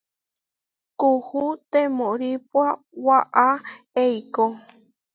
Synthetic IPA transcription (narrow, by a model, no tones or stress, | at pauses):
kuhut̪emõɾipwa | waʔa | ejko